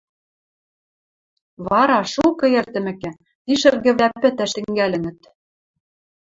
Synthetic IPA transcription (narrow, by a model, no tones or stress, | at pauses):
βɑɾɑʃukɤ̆ĕrt̪ɘ̆mɘ̆kæ̆ | t̪iʃɘ̆rɣɘ̆βlæpɘ̆t̪æʃt̪ɘ̆ŋɡælʲɘ̆ŋɘ̆t̪